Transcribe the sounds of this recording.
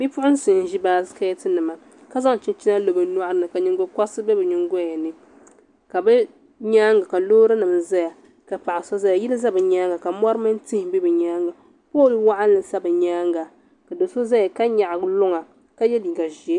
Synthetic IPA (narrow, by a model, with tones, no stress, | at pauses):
bi˦pʊ˦ʔʊ˦n˦sɨ˨n˨˦ʒi˦baː˨˦zka˦jɛ˦tɨ˦nɨ˨ma˨ | ka˦za˦ŋ˨t͡ʃi˦n˦t͡ʃi˦na˦lo˨bɨ˨nu˦a˦ʔɾɨ˨nɨ˨ka˨ɲi˨ŋɡo˦ka˦sɨ˦bɛ˦bɨ˨ɲi˦ŋɡo˦a˨nɨ˦ | ka˨bɛ˦ | ɲaː˦ŋɡa˨ka˨loː˦ɾɨ˦nɨ˨mza˦ja˨ | ka˨pa˨ʔa˨sɔ˦za˦ja˨ji˦lɨ˦za˦bɨ˨ɲaː˦ŋɡa˨ka˨m˦ɔ˦ɾɨ˦mɨ˦n˦ti˦hɪ˨bi˦bɨ˨ɲaː˦ŋɡa˨ | po˦˨ji˦wa˦ʔa˦n˦lɨ˨sa˦bɨ˨ɲaː˦ŋɡa˨ | ka˨do˨so˦za˦ja˨ka˦ɲa˨ʔlʊ˦ŋa˨ | ka˦jɛ˦li˨ɡa˨ʒi˨e˦